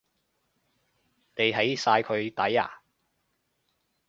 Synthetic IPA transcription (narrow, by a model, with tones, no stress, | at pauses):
t̪e˨jɦɐ˨˥jsaː˧jkʰɵ˨˧ɥt̪ɐ˨˥ja̰ː˨˩